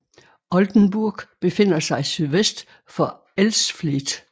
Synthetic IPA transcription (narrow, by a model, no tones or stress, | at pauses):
ʔɒ̽ld̥n̩b̥uɐɡ̥b̥e̝fe̝n̰ɐsɑ̈ɪisyðˠʋesd̥ | fɒ̽ | elsflid̥